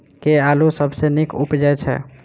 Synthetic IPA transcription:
kealusəbʱsenikupd͡ʒajt͡ʃʰɛ̰

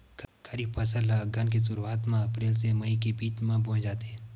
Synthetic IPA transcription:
kkʰəɾiːbpʰəsəlːaɐɡank̬is̬ʊɾuaːt̪mãɐpɾeːls̬emɐikebiːt͡ʃmãbõːd͡ʒaːt̪eɦɛ̃

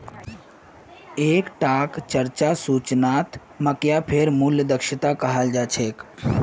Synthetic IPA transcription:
eːkʈaːkt͡ʃəɾt͡ʃasuːt͡ʃnaːt̪ | məkjapʰeɾmuljəd̪əkʃɪt̪akɐɦəld͡ʒaːt͡ʃʰeːk

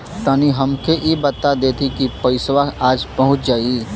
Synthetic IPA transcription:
t̪aːniɦɐmkʰeʔebɐt̪ːad̪eːt̪ʰikipɐɪswaaːd͡ʒpɐɦʊ̃t͡ʃd͡ʒaːi

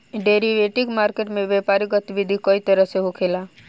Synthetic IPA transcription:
ɖeɾiʋeʈikmaɾkeʈmeʋjepaɾiɡət̪iʋid̪ʱikəit̪əɾəɦseɦokʰela

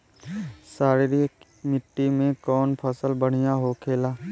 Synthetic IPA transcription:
saːɾiɾi | mɪʈːimẽkɔːnpʰəsəlbəɽ̤ijaɦokʰeːlaː

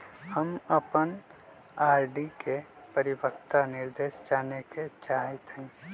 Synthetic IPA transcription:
həməpən | aːɾɖike | pəɾɪbəkt̪anɪɾd̪eːʃd͡ʒaːneket͡ʃaːɦɪt̪ɦɛ̃ː

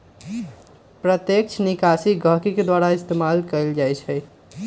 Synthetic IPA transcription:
pɾət̪jek̚t͡ʃʰnikasiɡʱəkiked̪waɾaɪst̪emalkəld͡ʒajt͡ʃʰɛ

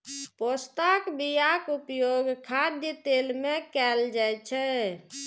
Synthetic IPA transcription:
post̪akbijakupjoɡkʰad̪jət̪elmekɛld͡ʒat͡ʃʰɛ

